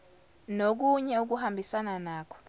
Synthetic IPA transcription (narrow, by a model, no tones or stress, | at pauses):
nok̬uɲɛuk̬uɦambisananaːk̬ɔ̥